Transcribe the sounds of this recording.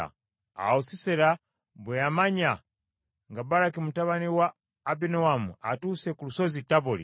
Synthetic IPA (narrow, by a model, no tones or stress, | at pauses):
a̰ | a̰usisɛɾa | bujamaɲa | ŋɡabaɾakimutaβaniwaː | binɔwamṵa̰tusɛkulusozitabɔlḭ